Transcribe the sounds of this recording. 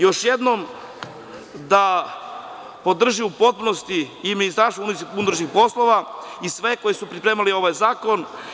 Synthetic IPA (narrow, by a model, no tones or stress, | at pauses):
jo̞ʃjed̪nom | d̪a | po̞d̪r̩ʒiupo̞t̪̚punost̪iːminist̪aɾst̪ouniund̪ɾoʃnixpo̞slˠo̞ʋaisʋe̞ko̞jesupɾipɾeːmalio̞ʋajzaːko̞n